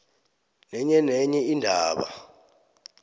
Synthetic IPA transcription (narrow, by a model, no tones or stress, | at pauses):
nɛɲɛnɛɲɛindʱaːɓa̰